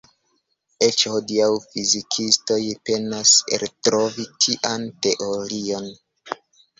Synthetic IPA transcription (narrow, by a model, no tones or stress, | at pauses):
et͡ʃhodiawfizikʰisto̞jpe̞naspḛltɾo̞vitʰiʔante̞ʔo̞ɾio̞n